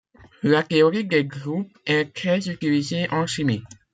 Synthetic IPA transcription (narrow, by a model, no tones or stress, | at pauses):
lat̪eɔɾid̪ɛɡʁup̚ | ɛt̪χɛzyt̪ilizeʔɑ̃ʃimi